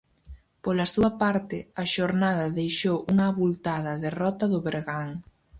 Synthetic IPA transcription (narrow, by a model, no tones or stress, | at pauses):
polɐsuɐpaɾt̪ɪɐʃoɾnaðɐðejʃowuŋɐːβult̪aðɐðerɔt̪ɐðʊβeɾɣaŋ